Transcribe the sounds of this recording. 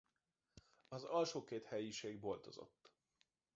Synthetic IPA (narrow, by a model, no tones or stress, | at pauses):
ɒzɒlʃoːkeːt̪hɛjiʃeːɡbo̞lt̪o̞̰zo̰t̪ː